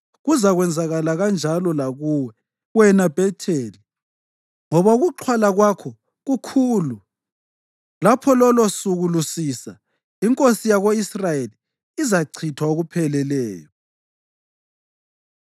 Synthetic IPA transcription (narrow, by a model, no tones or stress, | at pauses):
ɣuzaɣwɛnd͡zʱaɣalaɣand͡ʒʱalɔlaɣuwɛ | wɛnab̥ʱɛtʰeːli | ŋɔβauɣuǃʰwalaɣwakʰɔ | ɣukʰuːlu | lapʰɔlɔlosuɣulusisa | iŋkʼosijaɣoisrajeliː | zaǀʰitʰwaoɣupʰɛlɛlɛːjɔ